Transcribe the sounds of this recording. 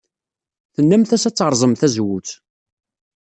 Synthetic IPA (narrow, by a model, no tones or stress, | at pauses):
θənːæmθæsæt͡sːəɾˤzˤəmθæzwut͡s